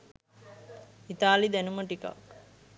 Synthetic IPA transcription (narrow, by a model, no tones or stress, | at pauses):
it̪aːlid̪ænuməʈika̰ʋk